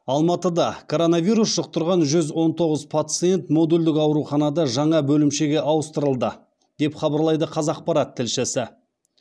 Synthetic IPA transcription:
ɑlˠmɑt̪əd̪ɑkʰo̞ɾo̞nɑvʲijɾusʒ̥əq̚t̪əɾʁɑnʒʏzwo̞nt̪ʰo̞ʁəzpʰat̪sɨje̞nt̪mo̞d̪uld̪ɪkɑwɾuχɑnɑd̪ɑʒɑɴɑbɵlɪmʃe̞ɡʲe̞ʔɑwəst̪əɾəlˠd̪ə | d̪̥e̞pχɑbəɾlˠɑjd̪əqʰɑzɑq̚pɑɾɑt̪ʰːɪlʃɪsɪ

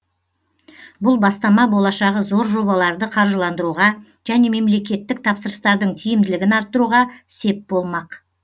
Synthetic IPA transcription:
bʊlˠbɑst̪ɑmɑbo̞lˠɑʃɑʁəzo̞ɾʒo̞bɑlˠɑɾd̪əqʰɑɾʒəlˠɑnd̪əɾuʁɑ | ʒ̥æne̞me̞mle̞k̬ʲe̞t̪ːɪk̚t̪ʰɑpsəɾəst̪ɑɾd̪əɴt̪ʰijɪmd̪ɪlɪɡʲɪnɑɾt̪ːəɾuʁɑse̞p̚bo̞lˠmɑq

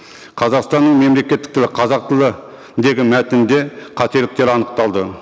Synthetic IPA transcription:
qʰɑzɑqst̪ɑnːəɴme̞mle̞kʲe̞t̪ːɪk̚t̪ʰɪlɪqʰɑzɑq̚t̪əlˠə | d̪e̞ɡʲɪmæt̪ɪnd̪e̞qʰɑt̪e̞lɪk̚t̪e̞ɾɑnəq̚t̪ɑlˠd̪ə

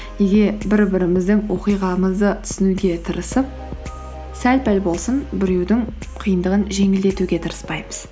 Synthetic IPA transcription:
ne̞ɡʲe̞bɪɾbɪɾɪmɪzd̪ɪŋwo̞qijʁɑməzd̪ət̪ʰʏ̥sɪnuɡʲe̞t̪ʰəɾəsəp̚ | sælpælbo̞lˠsənbɪɾe̞wd̪ɪŋ | qʰijənd̪əʁənʒe̞ŋɪld̪e̞t̪uɡʲe̞t̪ʰəɾəspɑjməz̥

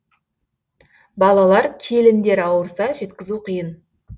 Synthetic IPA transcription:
bɑlˠɑlˠɑɾkʲʰe̞lɪnd̪e̞ɾɑwəɾsɑʒe̞t̪kʲɪzuqʰəjən

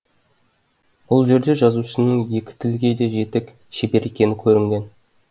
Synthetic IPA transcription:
b̥ʊlˠʒe̞ɾd̪e̞ʒɑzusənəɴje̞kʲɪ̥t̪ʰɪlɡʲe̞d̪e̞ʒe̞t̪ek | ʃebe̞ɾʔe̞kʲe̞nɪkʲʰɵɾɪŋɡʲe̞n

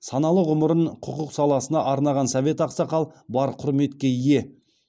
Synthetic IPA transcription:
sɑnɑlˠəʁʊməɾəɴqʰʊqəqsɑlˠɑsənɑʔɑɾnɑʁɑnsɑve̞t̪ɑqsɑqɑlˠbɑɾqʰʊɾme̞t̪kʲe̞ije̞

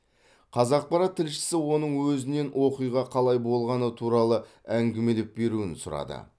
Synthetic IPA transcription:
qʰɑzɑq̚pɑɾɑt̪ʰːɪlʃɪ̥sɪwo̞nəɴwɵzɪne̞nwʔo̞qijʁɑqʰɑlˠɑjbo̞lˠʁɑnət̪ʰuɾɑlˠə | æŋɡʲɪme̞lep̚be̞ɾuɪnsʊɾɑ̰d̪ə̰

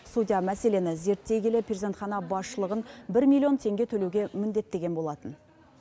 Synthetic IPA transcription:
sud̪ʲijamæse̞le̞nɪze̞ɾt̪ːe̞ɡʲelɪpʰɾʲeze̞nt̪χɑnɑbɑsʃəlˠəʁənbɪɾmʲilʲˠijo̞nt̪ʰe̞ŋɡʲe̞t̪ʰɵlewɡʲe̞mɪnd̪e̞t̪ːe̞ɡʲe̞nbo̞lˠɑt̪ən

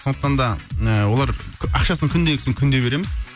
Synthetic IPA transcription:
sond̪əqt̪ɑnd̪ɑəwo̞lˠɑɾʰɑqʃɑsəŋkʲʰʏnd̪e̞jkʲʰɪsɪŋkʲʰʏnd̪e̞be̞ɾemɪz

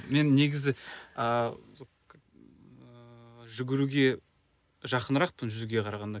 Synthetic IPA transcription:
me̞nːeɡʲɪzɪə | ʒʏɡʲɪɾuɡʲe̞ | ʒɑqənɾɑq̚pənʒʏzuɡʲe̞qʰɑɾɑʁɑnd̪ɑ

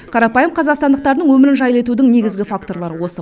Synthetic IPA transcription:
qʰɑɾɑpɑjəmqʰɑzɑqst̪ɑnd̪əq̚t̪ɑɾənəɴwɵmɪɾɪnʒɑjlˠe̞t̪ud̪ɪŋne̞ɡʲɪzɡʲɪfakt̪o̞ɾlˠɑɾəwo̞sə

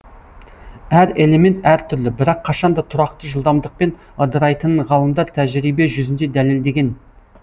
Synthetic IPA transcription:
æɾe̞lˠe̞me̞nt̪æɾt̪ʰʏɾlɪbɪɾɑqʰːɑʃɑnd̪ɑt̪ʰʊɾɑqt̪əʒəlˠd̪ɑmd̪əq̚pe̞n | ɑd̪əɾɑjt̪ənʁɑlˠəmd̪ɑɾt̪ʰæʒɾijbeʒʏzɪnd̪e̞d̪æle̞ld̪e̞ɡʲe̞n

